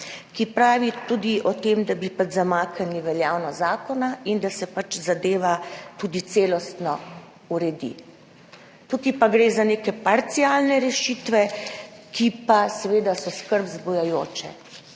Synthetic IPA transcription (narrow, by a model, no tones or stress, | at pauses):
kipɾaːʋit̪ud̪iʔɔt̪eːmd̪abipad͡ʒzamaːkaniʋɛljaːwnɔzaːkɔnaind̪asɛpat͡ʃzad̪eːʋat̪uːd̪it̪seːlɔst̪nɔ | uɾɛd̪ḭ | t̪ukipaɡɾeːzaneːkɛpaɾt̪siaːlnɛɾɛʃit̪ʋɛkipasɛʋeːd̪asɔskəɾbzbɔjajoːt͡ʃɛ̰